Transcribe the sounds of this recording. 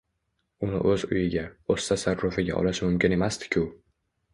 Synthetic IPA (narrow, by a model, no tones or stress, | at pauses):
ʊnɪ̰ʔɵzʊjɪɡʲaost̪asaɾɾʊfɪɡʲa̰ʔɒ̰laʃɪmʊmkʲɪne̞mast̪ɪ̥kʲʰʊ